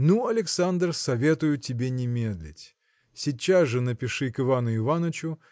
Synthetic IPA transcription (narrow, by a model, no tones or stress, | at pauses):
nuɐlʲɪksand̪rsɐvʲe̞t̪ʊjʊtʲɪbʲenʲɪmʲed̪lʲɪ̰tʲ | sʲit͡ɕːazʐɨnəpʲɪʂɨkɨvanʊɪvanət͡ɕʊ